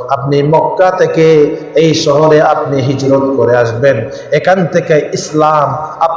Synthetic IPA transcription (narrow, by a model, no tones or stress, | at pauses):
ap̚nimɔkːat̪eke | eiʃɔɦɔɾeapniɦid͡ʒɾɔt̪kɔɾeasben | ekant̪ekeislamap